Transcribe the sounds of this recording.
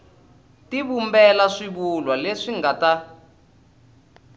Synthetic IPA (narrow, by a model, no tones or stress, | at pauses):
tiβumbɛlaʂiβulwaleʂiŋɡata